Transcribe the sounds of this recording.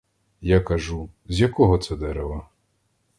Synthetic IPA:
jakɐʒu | zʲjɐkɔɦɔt̪sɛd̪ɛɾɛʋɐ

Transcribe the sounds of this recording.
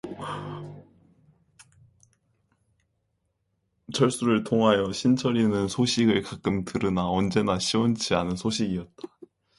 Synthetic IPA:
t͡ɕʰʌɭs͈uɾɯɭtʰoŋɦajʌɕʰint͡ɕʰʌɾinɯnsʰoɕʰiɡɯɭkak̚k͈ɯmtɯɾɯnaʌnd͡ʑe̞naɕʰiont͡ɕʰianɯnsʰoɕʰiɡiʌt̚t͈ḁ

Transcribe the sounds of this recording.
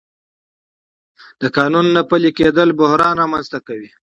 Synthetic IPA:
d̪̥əkɑnunːapəliked̪əlbʊhɾɑnɾɑmanzt̪akawi

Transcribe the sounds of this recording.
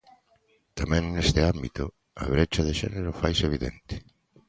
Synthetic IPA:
t̪amɛ̃ŋnest̪ɪambit̪ʊ | ɐ̰βɾet͡ʃɐðeʃɛ̰neɾʊfajseβiðḛnt̪ɪ̥

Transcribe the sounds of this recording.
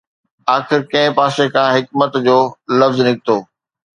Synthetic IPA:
aːxɪɾkɐ̃ɦɪ̃paːsekʰãːɦɪk̚mət̪d͡ʑoːlɐfznɪk̚t̪oː

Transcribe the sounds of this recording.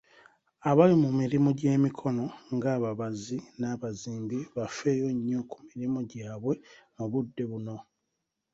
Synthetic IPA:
aβalimumiɾimoɟe̞ːmikʰo̞no̞ŋɡaːβaβazinaːβaziːŋɡiβafe̞ːjo̞ɲːo̞ku̥miɾimoɟaːβwe̞muβudːe̞βuno̞

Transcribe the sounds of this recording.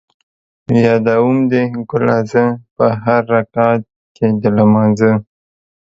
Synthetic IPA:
jɑd̪awumd̪eɡʊlɑzəpəɦaɾːakɑt̪̚ | ked̪əlamɑnzə

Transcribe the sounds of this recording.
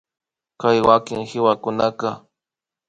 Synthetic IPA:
kajwakɪŋhɪwakʊnakɑ

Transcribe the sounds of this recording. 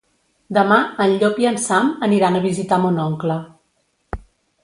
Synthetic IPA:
d̪əmaənʎopjənsaməniɾanəβizit̪amonɔŋklə

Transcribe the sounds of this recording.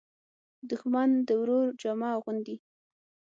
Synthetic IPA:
d̪ʊxmand̪əwɾoɾd͡ʒamɑɣʊnd̪i

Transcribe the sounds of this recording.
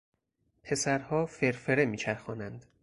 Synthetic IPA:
pʰe̞sæɾhɒːfe̞ɾfeɾemiːt͡ʃʰæɾxɒːnænd̪

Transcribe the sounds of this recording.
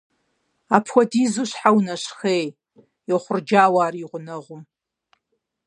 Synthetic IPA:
aːpʰxʷɐdiːzuɕħawnɐʃxeːj | jɛχʷʊrd͡ʒaːwaːriʁʷʊnɐʁʷʊ

